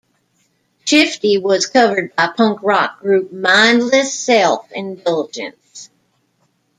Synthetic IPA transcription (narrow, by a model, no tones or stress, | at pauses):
ʃɪftiwʌz̥kʰʌvə˞d̚baɪpʰʌ̃ŋkɹɑk̚ɡ̥ɹʉp̚mãɪ̃ndˡlɨsɛlˠfɪ̃ndɛlˠd͡ʒɨ̰̃ns